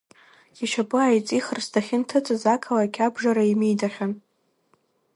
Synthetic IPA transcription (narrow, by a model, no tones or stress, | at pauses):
iʃapʼɨajt͡sʼiχərstʰaχʲɪntʰɨt͡sʼɨzakʰalakʲʼʰabʐaɾaimejdaχʲan